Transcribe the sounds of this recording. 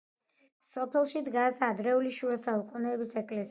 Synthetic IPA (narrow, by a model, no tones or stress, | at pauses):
sɔpʰɛlˠʃid̪ɡasad̪ɾɛuliʃuasaukʼunɛːbisɛkʼlɛs